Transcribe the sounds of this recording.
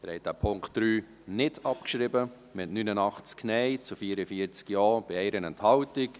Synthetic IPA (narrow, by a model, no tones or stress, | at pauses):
əɾhɛɪd̥æpʰʊŋktd̥ɾyː | nɪdɑpkʃɾɪbə | mɪtnynənɑχt͡sknɛɪt͡sufiːəɾəfiːəɾt͡skjɑːb̥ɪɛɪɾənɛnthɑʊtɪk